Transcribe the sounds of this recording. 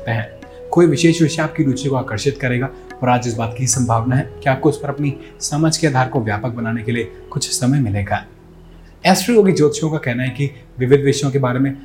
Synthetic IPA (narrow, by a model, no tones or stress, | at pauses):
t̪eɦɛ̃ː | koːiʋɪʃeːʃʋɪʃaːp̚kid̪uːt͡ʃikoaːkəɾʃɪt̪kɐɾeːɡaː | ɔːɾaːd͡ʒɪsbaːt̪kiɦisɐ̃mbʱaːʋnaɦɛkiaːp̚koɪspɐɾɐpni | sɐməd͡ʒʱkeaːd̪ʱaːɾkoʋjaːpək̚bɐnaːnekelie | kʊt͡ʃʰsɐməjmɪleːɡa | ɛːspɾioːɡid͡ʒoːt̪ʃõkakɛɦnaɦɛki | ʋɪʋɪd̪ʋɪʃjõkebaːɾemẽ